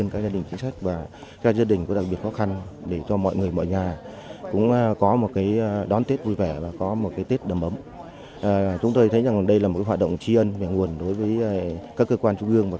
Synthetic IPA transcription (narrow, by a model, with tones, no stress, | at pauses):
nka˨˦˥kzaː˧ɗï˨˩ŋ̟t͡ɕi˨˦ŋ̟sa˦˥jk̟̚vaː˨˩ | kaɛː˧˦˥k̚zaː˧ɗï˨˩ŋ̟ku˧˥˦ɗa˨˩k̚ɓi˨˩ət̚xɔ˨˦˥xa˧nɗe˧˩t͡ɕɔ˧mɔ̰˧˨jŋɨ˨˩əjmɔ̰˧˨jɲaː˨˩ | kʊ̰˧˥ŋ͡mʔkɔ˨˦mo˨˩t̚kaː˨˦jɗɔ˨˦nt̪e˦˥t̚vu˧jvɛ˧˩vaː˨˩kɔ˨˦mo˨˩t̚kaː˨˦jt̪e˦˥t̚ɗə˨˩mʔə˨˦m | ʔːt͡ɕʊ˨˦ŋ͡mt̪o˧jt̪ʰə˨˦jza˨˩ŋlːɗə˧jlaː˨˩mo˨˩tkːaː˨˦waː˨˩t̚ɗə̰˧˨wŋ͡mt͡ɕi˧ʔə˧nva˨˩ŋu˨˩ənɗo˨˦jvəː˨˦jkaː˦˥kːəː˧kwaː˧nt͡ɕʊ˧ŋ͡mʔɨ˧əŋvaː˨˩